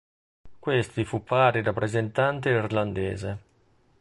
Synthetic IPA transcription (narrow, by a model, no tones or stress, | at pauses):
kwest̪ifupːaːɾirapːɾezent̪ant̪eirland̪eːze